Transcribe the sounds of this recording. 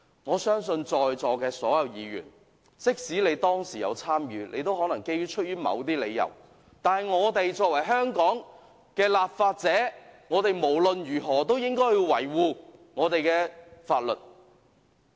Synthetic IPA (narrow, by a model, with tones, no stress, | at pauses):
ŋɔː˨˧sœː˥ŋsɵ˧nt͡sɔː˨jt͡sɔː˨kɛː˧sɔː˨˥jɐ˨˧wjiː˨˧ɥy̰ː˨˩n | t͡sɪ˥k̚siː˨˥le˨˧jt̪ɔː˥ŋsiː˨˩jɐ̰˨˧wt͡sʰaː˥mjyː˨˧nʔḛ˨˧jt̪o˥whɔː˨˥nɐ˨˩ŋke˥jɥyː˥t͡ʃʰɵ˥t̚jyː˥mɐ̰˨˧wt̪iː˥lḛ˨˧jːɐ̰˨˩w | t̪aː˨nhɐ˨jŋɔː˨˧t̪e˨jt͡sɔː˧k̚wɐ˨˩jɦœː˥ŋkɔː˨˥ŋ | kɛː˧laː˨p̚faː˧t̚t͡sɛː˨˥ŋɔː˨˧t̪e˨jmo˨˩wlɵ˨njyː˨˩ɦɔː˨˩t̪o˥wjɪ˥ŋkɔː˥jiː˧wɐ˨˩jwuː˨ŋɔː˨˧t̪e˨jkɛː˧faː˧t̚lɵ̰˨˩t̚